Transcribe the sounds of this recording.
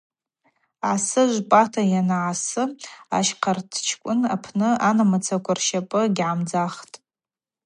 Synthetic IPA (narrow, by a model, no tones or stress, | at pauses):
ʕasɨʒʷpʼatʰajanaʕasɨa̰ʃqʰartʰt͡ʃʰkʷʼʊnapʰnɨanamat͡sʰakʷʰarʃapʼɨɡʲʕamd͡zaχtʼ